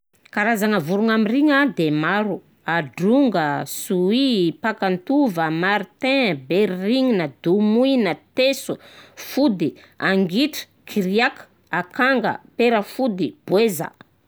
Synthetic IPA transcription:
kaɾazanəvuɾuŋamiriŋəd̪emaɾu | aɖ͡ʐuŋɡəsuipakant̪uvəmaɾit̪ɛ̃beɾriŋinəd̪umuinət̪esufud̪i | aŋɡiʈ͡ʂə̥ | kʰiɾiak | akaŋɡə̰peɾəfud̪ib̥wezə̰

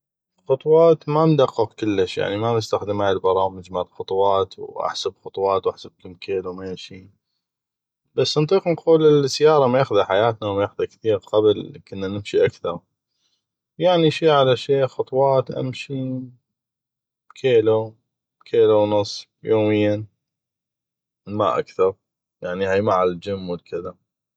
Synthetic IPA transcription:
xɑt̪ˤwɑːt̪mand̪aqːɨqkəlːəʃja̰ʕnimamɪst̪axd̪ɪmaːɪlbɑɾˤɑːmɪd͡ʒmalxʊt̪ˤwɑːt̪wʔa̰ħsabxɑt̪ˤwɑːt̪wʔaħsab̚kʊmkʰeːlumeːʃiː | basːnt̪ˤiːqnquːlɪlsajɑːɾˤɑmajaxðaħajaːt̪nawmajaxd̪akθiːɣqablkʊnːanɪmʃiʔakθɑɾˤ | wjaʕniʃiːʕalaʃeːxɑt̪ˤwɑːt̪ʔa̰mʃi | kʰeːlu | kʰeːluwnɨsˤː | joːmɪjːa | ma̰ʔa̰kθɑɾˤ | jaʕnihajmaʕald͡ʒɪmːwɪlkʰɪða

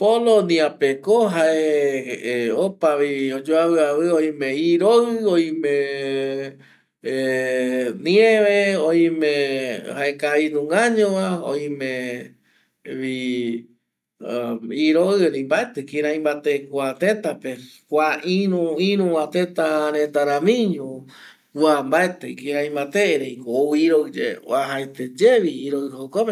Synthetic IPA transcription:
polonĩapekoɦae | opaβiod͡ʒoaβɨaβɨoĩmẽiɾoɨoĩmẽ | nĩẽʋeoj̃mẽhaekainũŋɡaɲõʋao̰ĩmẽ | βi | iɾoɨnĩmbaet̪ekiɾãĩmbat̪ekʷat̪et̪apekʷaʔĩɾũĩɾũwat̪et̪aɾẽt̪aɾãmĩɲũ | wambaet̪ekĩɾãĩmbat̪eɾejkoiɾoɨd͡ʒḛwaɦajt̪ed͡ʒeβiːɾoɨhokope

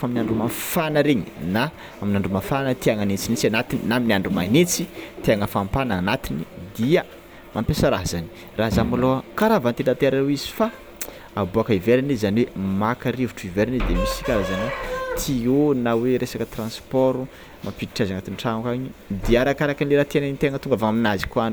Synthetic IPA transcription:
faminaɳɖ͡ʐumafanəɾeɲina | aminaɳɖ͡ʐumafanət̪iaŋanit͡sinit͡sanat̪ininaminiaɳɖ͡ʐumanit͡sit̪iaŋəfampananat̪inid̪iə | mʔampesaɾaɦzani̥ | raɦzamalokaɾavant̪enant̪eɾewizi̥fa | abuakəiveɾanizizaniwemakaɾivuʈ͡ʂuiveɾinizid̪emisikʲaɾazaniwet̪ʰionaweɾesakət̪rãnspɔɾu | mʔapiiʈ͡ʂazaŋat̪inʈ͡ʂaŋkaɲid̪iaɾakaɾakanleɾat̪enanit̪eaŋət̪uŋɡavaaminazikuanu̥

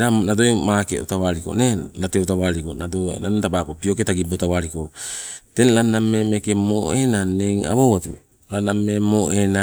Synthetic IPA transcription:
ɾanadoemakḛo̰tawaɾiko̰nenateotaβaɾikonadonantabakopioketaɡibotawaɾiko̞tenlanamemekemoenaneŋa̰βowatu | lanamemoʔena

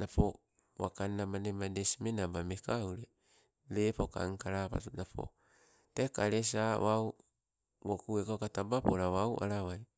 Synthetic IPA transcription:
napo | wa̰kanːamanemadesimenabamekawɾe | lepoka̰ŋkaɾapa̰tunapʰo̰ | tekaɾes̬awaw | wokuekakatabapoɾawawʔa̰ɾawaj

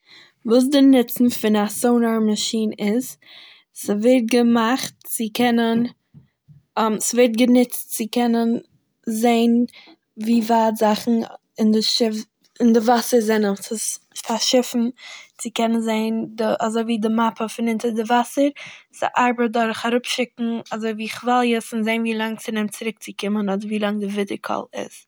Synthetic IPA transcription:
vuːs̬dɪnɪt͡sn̩fɪnasoʊnəɾmaʃiːnɪz | səvɛɾt̚ɡəmaχtt͡sɪkʰɛnən | msvɛɾt̚ɡənɪt͡stt͡sɪkʰɛnən | zeɪn | viːvaːtzaχn̩ | ɪndɪʃɪf | ɪndɪvasəɾzɛnəmsɪs | faʃɪfn̩t͡sɪkɛnənzeɪndɪʔazoɪviːdɪmapʰəfɪnɪntəɾdɪvasəɾsa̰ʔaɾbət̚dɔɾχaɾʊpʃɪkŋ̩azoɪviːχvalˠjəsɪnzeɪnviːlˠaŋt͡sɪnɛmt͡sɪɾɪk̚t͡sɪkɪmənɔdəɾviːlˠaŋdɪvɪdəɾkʰɔ̰lˠɪ̰z

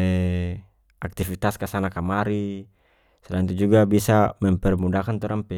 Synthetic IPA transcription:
ɛ | ak̚t̪ifit̪askasanakamaɾi | sɛlaiŋt̪̬ud͡ʒuɡabisamɛmpɛrmudakant̪ɔɾampɛ

